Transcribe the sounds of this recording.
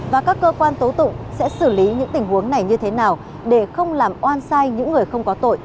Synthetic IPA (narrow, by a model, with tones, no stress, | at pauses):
vaː˨˩kaː˦˥kːəː˧kwaː˧nt̪o˨˦t̪ʊ̰˧˨ŋ͡msɛ̰˧˥sɨ˧˩li˨˦ɲɨ̰˧˥ŋt̪ï˨˩ŋ̟hu˨˦əŋna˨˩jɲɨ˧t̪ʰe˨˦naː˨˩w | ɗe˧˩xə˧wŋ͡mlaː˨˩mʔwaː˧nsaː˧jɲɨ̰˧˥ŋːɨ˨˩əjxə˧wŋ͡mkɔ˨˦t̪o̰˧˨jʔ